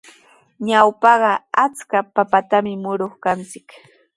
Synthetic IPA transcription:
ɲawpɑɢɑat͡skapapat̪amɪmʊɾoχkant͡sɪk

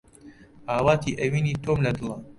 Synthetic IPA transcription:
ʔaːwaːt̪iːʔɐwiːniːt̪oːmlɐd̪lɑ

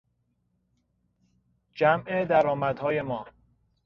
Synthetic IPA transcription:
d͡ʒæmʔed̪æɾɒːmæd̪̥hɒːje̞mɒː

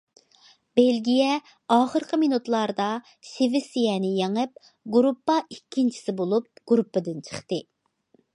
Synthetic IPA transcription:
b̥elɡʲijɛ | ɑːχəɾqʰəmenut̪lˠɑɾd̪ɑ | ʃevɪsijɛnɪjeŋɨp̚ | ɡuɾupːɑikʲːint͡ʃʰi̥sɪbolˠup̚ɡ̥uɾupːɨd̪ɪnt͡ʃʰə̥χt̪ɨ

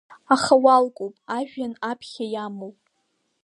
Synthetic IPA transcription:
aχawalkʼowpʼaʒᶣanapʰχʲajamowpʼ

